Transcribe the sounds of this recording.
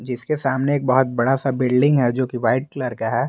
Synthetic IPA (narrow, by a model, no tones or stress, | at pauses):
d͡ʒɪskesaːmneeːk̚bɐɦʊt̪̚bɐɽasabɪlɖɪ̃ŋɡɦɛd͡ʒoːkiʋaːɪʈ̚kləɾkaɦɛː